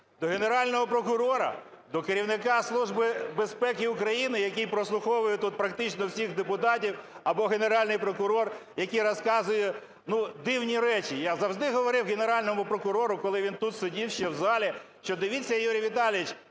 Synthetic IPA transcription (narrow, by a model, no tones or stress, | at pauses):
d̪ɔɦeneɾɑlʲnɔɦɔpɾɔkʊɾɔɾɐ̰ | d̪ɔkeɾʲiwnɪkɑslˠuʒbɪbespɛkɪʊkɾɐjinɪjɐkʲijpɾɔslˠʊxɔʋʊjʊt̪ut̪̚pɾɐk̚t̪ɪt͡ʃnɔwsʲiɣd̪epʊt̪ɑtʲiw | ɐbɔɦeneɾɑlʲnɪjpɾɔkʊɾɔrjɐkʲijɾɔskɑzʊjɛ | nud̪ɪwnʲiɾɛt͡ʃijazɐwʒd̪ɪɦɔʋɔɾɪwɣeneɾɑlʲnɔmʊpɾɔkʊɾɔɾʊkɔlˠɪʋʲint̪ut̪sʊdʲiwʃt͡ʃɛwzɑlʲiʃt͡ʃɔd̪ɪʋʲit͡sʲːɐjuɾʲijʋʲit̪ɑlʲijʲit͡ʃ